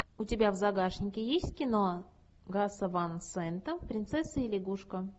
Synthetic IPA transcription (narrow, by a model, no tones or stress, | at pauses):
ʊtʲɪbʲavzaɡaʂnʲɪkʲɪjesʲtʲkʲɪno | ɡasəvansɛnt̪əfpɾʲɪnt̪sɛsːɨɪlʲɪɡuʂkə